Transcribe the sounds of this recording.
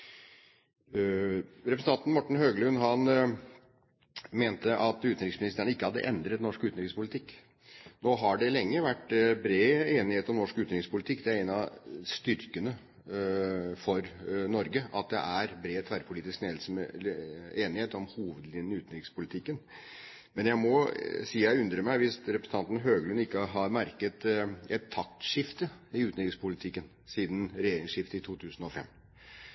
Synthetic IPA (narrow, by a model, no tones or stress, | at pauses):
ɾɛpɾəsn̩ɑnt̪nmɔʈːɳ̩ɦøːɡlʉnɦɑn | meːnt̪əʔɑt̪ʉːt̪nɾɪksmɪnɪst̪əɳəɪkːəhɑd̪ːə̰ʔɛnd̪ɾət̪nɔʂkʉːt̪nɾɪkspʰʊlɪt̪ʰɪkː | noːɦɑɖɛlɛŋːəʋæʈːbɾeːeːnɪheːt̪ɔmnɔʂkʉːt̪nɾɪŋspʊlɪt̪ʰɪkːd̪ɛæɾɛnɑst̪ʏɾkənə | fɔɾnɔɾɡəʔɑt̪̚d̪ɛ̰ʔæɾbɾeːt̪ʰʋæɾpʰʊliːt̪ɪskneːd̪s | eːnɪheːt̪ɔmhuːʋəd̪lɪnːəʉːt̪nɾɪŋspʰʊlɪt̪ʰɪkːən | mɛnjæɪmɔsiːjæɪʉnd̪ɾəmæɪʋɪsɾɛpɾəsə̥n̩ɑnt̪nɦøːɡlʉnɪkːəɦɑɾmæɾkət̪ɛt̪ʰːɑk̚t̪ʂɪft̪əɪʉːnɪɾɪŋspʰʊlɪt̪ʰɪkːən | siːd̪n̩ɾɛjeːɾɪŋʂɪft̪əɪt̪ʰuːt̪ʰʉːsən̩ɔfɛ̰mː